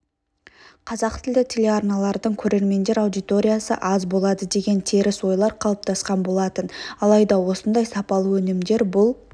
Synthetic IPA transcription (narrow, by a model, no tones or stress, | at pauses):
qʰɑzɑqt̪ʰɪld̪ɪt̪ʲʰe̞lʲe̞ɑrnɑlˠɑɾd̪əɴkʲʰɵɾe̞ɾme̞nd̪e̞ɾawd̪ijt̪o̞ɾʲijasə̰ʔɑzbo̞lˠɑd̪əd̪e̞ɡʲe̞nt̪ʰeɾɪswo̞jlˠɑɾqʰɑlˠəp̚t̪ʰɑsqɑnbo̞lˠɑt̪ənɑlˠɑjd̪ɑwo̞sənd̪ɑjsɑpɑlˠəwɵnɪmd̪e̞ɾbʊlˠ